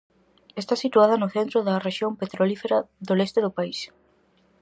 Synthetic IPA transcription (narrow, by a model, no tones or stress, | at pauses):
est̪asit̪uaðɐnʊθent̪ɾʊðɐreʃjompet̪ɾolifeɾɐðolest̪eðʊpais